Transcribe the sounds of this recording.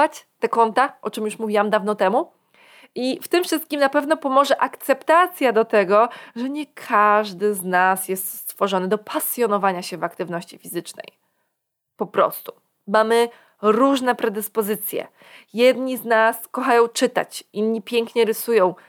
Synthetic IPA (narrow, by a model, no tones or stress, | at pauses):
at͡ɕt̪ɛkɔnt̪aʔɔt͡ʂɘmjuʂmuvʲiwamd̪avn̪ɔt̪ɛmu | ʔift̪ɘmfʂɘst̪̚kʲimnapɛvnɔpɔmɔʐɛʔakt̪sɛpt̪at̪sʲjad̪ɔt̪ɛɡɔʐɛɲɛkʰaʐd̪ɘznasjɛst̪st̪fɔʐɔnɘd̪ɔpʰasjɔnɔvaɲaɕɛvakt̪ɘvnɔɕt͡ɕifʲizɘt͡ʂnɛ̰j | pɔpɾɔ̰st̪u̥ | mamɘ | ɾuʐnɛpɾɛd̪ɘspɔzɘt̪sʲjɛ̰ | jɛd̪ɲiznaskɔxajɔ̃w̃t͡ʂɘt̪a̰t͡ɕinːɲipʲjɛŋkɲɛɾɘsujɔ̃w̃